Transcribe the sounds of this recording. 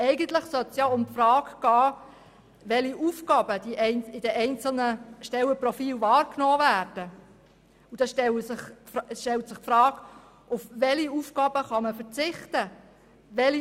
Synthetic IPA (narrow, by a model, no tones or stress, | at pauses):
ɛɪɡənt̪lɪχsœt̪sjɑʊmpfrɑːɡɡ̥ɑː | ʋɛliʔufɡ̥ɑːbəd̥̪iʔɛɪnɪd̥ɛʔɛɪnt͡sl̩nəʃtɛlːəprɔfiːlʋɑːrknɔːvæːɾd̥ə | ud̥ɑsʃtɛləsɪχsʃtɛltsɪχpfɾɑːɡ | ʔʊfʋɛliufɡ̥ɑːb̥əχɑməfəɾt͡sɪχtə | ʋɛli